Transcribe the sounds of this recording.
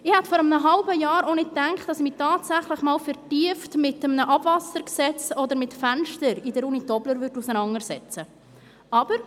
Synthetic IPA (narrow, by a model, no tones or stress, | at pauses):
ɪhɛt̪fɔɾəmnəɦɑlbəjɑːɾɔnɪt̚ːæŋkχt̚dɑsmitɑːtsæχləχmɑːlfɛɾtiəftmɪtəmnəʔɑb̥vɑsəɾksɛt͡sɔd̪əɾmɪtfænʃtəɾɪdəɾunitɔbləɾvʏɾdusənɑŋəɾsɛt͡sə | ʔɑb̥əɾ